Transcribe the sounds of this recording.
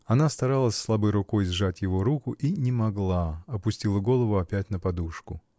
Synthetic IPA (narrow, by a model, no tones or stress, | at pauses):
ɐnast̪ɐɾalˠəsʲslˠabɨjɾʊko̞jzʐatʲjɪvo̞ɾukʊʔinʲɪmɐɡlˠaɐpʊsʲtʲilˠəɡo̞lˠəvʊɐpʲætʲnəpɐd̪uʂkʊ